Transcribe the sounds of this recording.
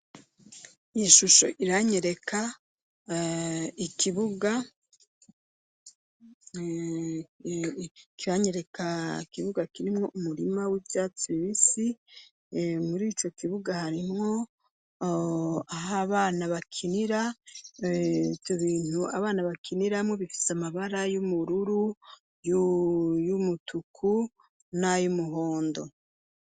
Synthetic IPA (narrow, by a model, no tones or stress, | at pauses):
iʃuʃo̞̰ʔiɾaɲeɾe̞kʰa | ikiβuɡa | kiɾaɲe̞ɾe̞kakiβuɡakiɾimŋo̞ʔumuɾimawiːvjaːt͡siiβisi | muɾiːt͡ʃo̞kiβuɡahaɾimŋo̞ | aɦaβaːnaβakʰiniɾa | ivjo̞βiːnuaβaːnaβakʰiniɾamŋeβifi̥samaβaɾajumuɾuɾu | jujumutʰukʰu | najumuɦoːndo